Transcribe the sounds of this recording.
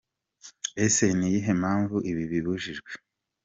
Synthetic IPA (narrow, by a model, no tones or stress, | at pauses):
esenijiɦe̞maːɱvuʔiβiβiβuʒiʒɡwe̞